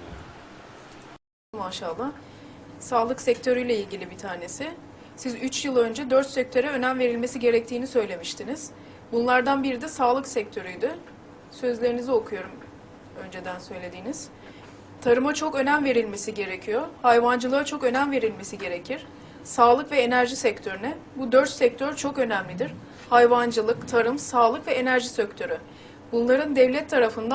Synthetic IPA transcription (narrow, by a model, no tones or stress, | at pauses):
maʃalˠːa | saːlˠɯksɛct̪ʰøɾyjlʲeilʲɟilʲibit̪ʰaːne̞sɪ | sizyt͡ʃjɯlˠø̞nd͡ʒɛd̪øɾt̪sɛc̚t̪ʰø̞ɾɛø̞næmve̞ɾilʲme̞siɟe̞ɾɛc̚t̪ʰiːnisø̞jlʲe̞miʃt̪ʰiniz̥ | bunlˠaɾd̪anbiɾid̪ɛsaːlˠɯksɛc̚t̪ʰø̞ɾyjd̪y | sø̞zlʲe̞ɾinizio̞kʰujo̞ɾum | ø̞nd͡ʒed̪ænsø̞jlʲe̞d̪iːniz̥ | t̪ʰaɾɯmat͡ʃʰo̞kø̞næmve̞ɾilʲme̞siɟe̞ɾe̞cʰijo̞hajvand͡ʒɯlˠɯat͡ʃʰo̞kø̞næmve̞ɾilʲme̞siɟe̞ɾe̞cʰiɾ̥ | saːlˠɯkvɛenæɾʒisɛct̪ʰø̞ɾynɛbud̪øɾt̪sɛc̚t̪ʰøɾt͡ʃʰo̞kø̞næmlʲid̪iɾ̥ | hajvand͡ʒɯlˠɯkt̪ʰaɾɯmsaːlˠɯkvɛenæɾʒisøct̪ʰø̞ɾy | bunlˠaɾɯnd̪ɛvlʲɛt̪ʰːaɾafɯnd̪a